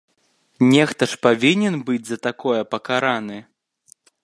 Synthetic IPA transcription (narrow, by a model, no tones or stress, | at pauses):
nʲɛxt̪ɐʂpavʲinʲɛnbɨd͡zʲzɐt̪akɔjɐpɐkaɾanɨ